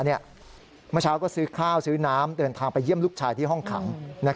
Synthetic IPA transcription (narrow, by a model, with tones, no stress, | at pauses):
ni˥˩ɐ | mɯ˥˩˨t͡ɕʰaː˦˥wkɔː˥˩sɯː˦˥kʰaː˥˩wsɯː˦˥naː˦˥mdɤː˧nt̪ʰaː˧ŋpa˧jːəmluː˥˩k̚t͡ɕʰaː˧jt̪ʰiː˥˩ɦɔ˥˩ŋkʰa̰˩˦ŋna˦˥